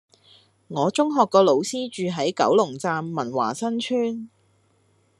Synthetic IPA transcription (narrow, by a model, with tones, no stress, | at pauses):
ŋɔː˨˧t͡sʊ˥ŋɦɔː˨kːɔː˧lo˨˧wsiː˥t͡ʃyː˨ɦɐ˨˥jkɐ̰˨˥wlʊ˨˩ŋt͡saː˧mːɐ˨˩nwa̰ː˨˩sɐ˥nt͡ʃʰyː˥n